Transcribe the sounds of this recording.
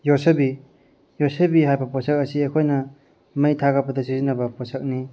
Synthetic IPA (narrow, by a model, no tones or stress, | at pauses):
josebi | josebiɦajbɐposɐk̚ɐsiekʰojnɐ | mɐjt̪ʰaɡɐbɐd̪ɐsizinːɐbɐposɐk̚ni